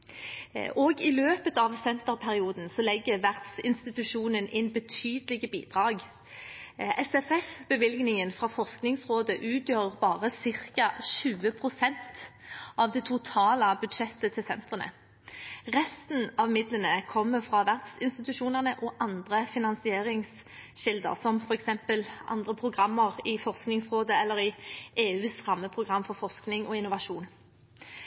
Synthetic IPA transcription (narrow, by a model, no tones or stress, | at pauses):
ɔɡɪløːpət̪ɑʋsɛnt̪əʁpʰæʁɪuːd̪n̩sɔlɛɡːəʋæʁd̪̥sɪnst̪ɪt̪ʉʃuːnənʔɪnbət̪ʰyːd̪əlɪɡəbiːd̪̥ʁɑːɡ | ʔɛsɛfɛfbəʋɪlɡnɪŋənfɾɑfɔʁsknɪŋsʁoːd̪əʔʉːt̪ʰjøːʁəbɑːʁəsɪʁkɑʃʉːəpʰʁʊsɛnt̪ʔɑʋd̪ɛt̪ʰʊt̪ʰɑːləbʉd̪ʃɛt̪ːət̪ʰɪlsɛnt̪ʁənə̰ | ʁɛst̪n̩ɑʋmɪd̪lənəkʰɔmːəfʁɑːʋæʁd̪sɪnst̪ɪt̪ʉʂuːnəʁnəʔɔʔɑnd̪ʁəfɪnɑnsɪeːʁɪŋs | ʃɪld̪ə̰ʁsɔmfɔɾɛksɛmpəlʔɑ̰nd̪ʁəpʰʁʊɡʁɑmːəʁɪfɔʁsknɪŋsʁoːd̪əɛlːəʁɪʔeːʉːsʁɑmːəpʰʁʊɡʁɑmfɔʁfɔsknɪŋɔɪnʊʋɑʂuːn